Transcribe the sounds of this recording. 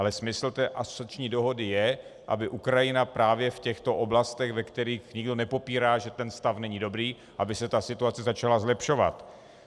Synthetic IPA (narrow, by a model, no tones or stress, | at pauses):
alɛsmɪsl̩t̪ɛːʔaso̥at͡ʃɲiːdo̞ɦo̞dɪjɛ | ʔa̰bɪʔukɾajɪnapɾaːvjɛfcɛxt̪o̞ʔoblast̪ɛɣvɛkt̪ɛɾiːxɲɪɡdo̞nɛpo̞piːɾaːʒɛt̪ɛnst̪afnɛɲɪdo̞bɾiː | ʔabɪsɛt̪asɪt̪uat͡sɛzat͡ʃalazlɛpʃo̞va̰t̪